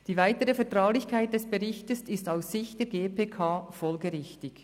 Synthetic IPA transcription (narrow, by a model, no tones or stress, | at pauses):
d̥iːvaɪtəʁəfɛɐtʁ̥aʊlɪçkʰaɪt̚d̥ɛsb̥əʁɪçtəsɪstaʊsːɪçd̥eːɡeːpʰeːkʰaːfɔlɡəʁɪçtɪk